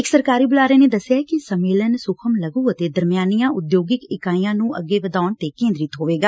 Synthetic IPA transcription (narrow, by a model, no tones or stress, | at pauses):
ɪksəɾkaːɾiːbʊlaːɾeːneːd̪əsɪjaːɛkɪsəmeːlənsʊkʰəmləɡũːət̪eːd̪əɾmɪjaːnijãːʔʊd̪joːɡɪkɪkaːijãːnũːʔəɡːeːʋəd̪aːɳt̪eːkẽːnd̪ɾɪt̪ɦoːʋeːɡaː